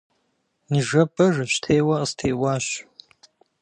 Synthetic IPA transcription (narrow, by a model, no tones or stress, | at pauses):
nɨʒɐpʼɐʐɐɕtʰeːwɐstʰejwaːɕ